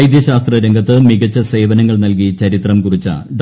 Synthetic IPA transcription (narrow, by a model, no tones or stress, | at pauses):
jd̪jɐɕaːst̪rɐɾeŋɡʱɐt̪ːɨmiɡɐt͡ɕːɐse̞ːʋɐnɐŋːɐɭnɐlkit͡ɕɐɾit̪rɐmkurit͡ɕːa̰d̪